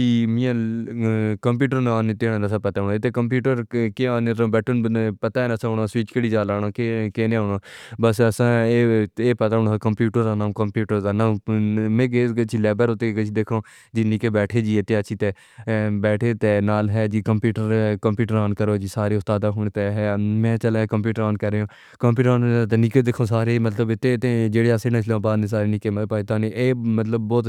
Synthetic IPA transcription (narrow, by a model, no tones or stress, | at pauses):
d͡ʒiːmĩːãː | kəmpuːʈəɾnaːnet̪eːɽãːd̪əsãːpət̪aːoɳːet̪eːkəmp̬juːʈəɾkeaːneɾõːbɛːʈʰənpət̪aːɛːnəsãːɦoːɳasʋiːt͡ʃkəɽiːd͡ʒaːlaːɽaːkekeːneːaːɳoːbəsəsãːeːeːpət̪aːɦonːkəmpjuːʈəɾd̪aːnaːmkəmpjuːʈəɾd̪aːnaːmmẽːɡeət͡ʃʰilɛːbəɾoːt̪eːkət͡ʃʰid̪eːkʰõː | d͡ʒiːniːkeːbɛːʈʰeːd͡ʒiːɪt̪ːẽːət͡ʃʰiːt̪eː | bɛːʈʰeːt̪eːnaːlɦɛːd͡ʒiːkəmpjuːʈəɾkəmpjuːʈəɾaːnkəɾoːd͡ʒiːsaːɾeːʊst̪aːd̪aːɦʊːɽ̃eːt̪eɦɛːmɛ̃ːt͡ʃəlẽkəmp̬juːʈəɾaːnkəɾːeːõː | kəmpjuːʈəɾaːnt̪enikeːd̪ekʰõːsaːɾeːmət̪ləbɪt̪ːeːt̪eːd͡ʒeːɽeːaːsẽnãʃlãːbaːd̪nẽːsaːɾeːnɪkeːmpaːit̪ãːneʔeːmət̪ləbːɔːt̪